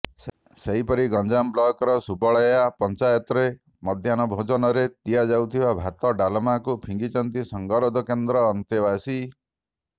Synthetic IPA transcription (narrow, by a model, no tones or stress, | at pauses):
seɦipɔɾiɡɔnd͡ʒamblɔkɔɾɔsubɔɭɔjjapɔnt͡ʃajɔt̪ɔɾe | mɔd̪ʱjanɔbʱod͡ʒɔnɔɾet̪ijad͡ʒawt̪ʰibabʱat̪ɔɖalɔmakupʰiŋɡit͡ʃɔnt̪isɔŋɡɔɾɔd̪ɔkend̪ɾɔːnt̪iβasi